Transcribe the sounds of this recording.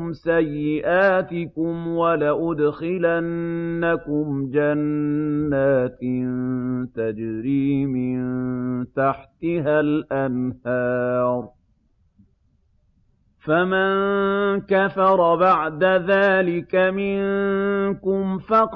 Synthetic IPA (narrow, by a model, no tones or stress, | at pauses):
msajːɪʔaːt̪ɪkʊmwalaʔʊd̪xɪlanːakʊmd͡ʒanː | aːt̪nt̪ad͡ʒɾiːmɪnt̪aħt̪ɪɦalʔanhɑːɾˤ | famankafɑɾˤɑbaʕd̪aðaːlɪkamɪŋkʊmfɑq